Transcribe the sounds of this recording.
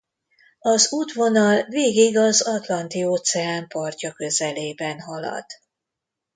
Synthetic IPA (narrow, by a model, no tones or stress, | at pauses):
ɒzuːt̪ʋo̞nɒlveːɡiɡɒzɒt̪lɒnt̪ioːt̪sɛaːmpɒrcɒkø̞zɛleːbɛnɦɒlɒ̰d̪̥